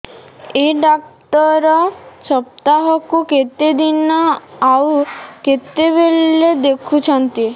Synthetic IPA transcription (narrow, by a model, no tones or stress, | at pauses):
eɖakʈɔɾɔsɔp̚t̪aɦɔkuket̪ed̪inɔawuket̪eβelːed̪ekʰut͡ʃʰɔnt̪i